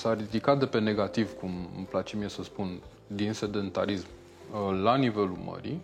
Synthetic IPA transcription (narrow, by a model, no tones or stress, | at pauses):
sarid̪ikat̪̚d̪e̞pe̞ne̞ɡat̪ivkumə̰mplat͡ʃemijesəspun | d̪inse̞d̪e̞nt̪a̰ɾism | lanive̞lumə̰ɾḭ